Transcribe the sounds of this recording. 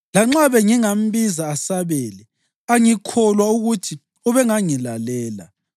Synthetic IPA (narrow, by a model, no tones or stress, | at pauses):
laŋ͡ǁaβɛŋiŋam̩βizaːsaβeːlɛ | aŋikʰɔlwauɣutʰi | uβɛŋaŋilalɛːla̰